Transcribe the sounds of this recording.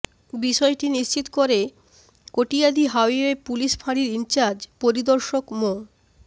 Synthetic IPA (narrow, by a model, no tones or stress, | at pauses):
biʃɔeʈiniʃt͡ɕit̪okoɾe | koʈiad̪iɦawiepuliʃpʰaɽiɾint͡ɕaɾd͡ʑpoɾid̪oɾʃokmo